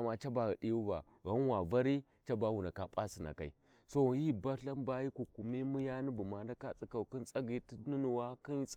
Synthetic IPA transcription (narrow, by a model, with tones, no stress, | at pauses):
ma˨t͡ʃa˦ba˨ɣi˨ɗi˦ju˦va̰˨ | ɣa˦n˦wa˨va˦ɾi˦ | t͡ʃa˦ba˦wu˨na˨ka˨pʼa˦si˨na̰˨ka̰˨ḭ˨ | so˦˨ji˦ba˦ɬa˦nba˦ji˦ku˨ku˨mi˦mu˦ja˦ni˦bu˨ma˨n˦da˦ka˦t͡sʼi˦ka˨ki˦nt͡sʼa˦ɡi˨ti˦ni˦nu˨wa˦ki˦n˦t͡s